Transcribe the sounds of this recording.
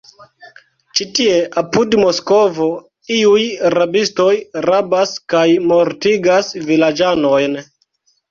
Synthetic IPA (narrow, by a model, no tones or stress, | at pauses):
t͡ʃitie̞ʔapudmo̞sko̞vo̞ | iujɾabisto̞jɾabaskajmo̞ɾtiɡasvilad͡ʒano̞jn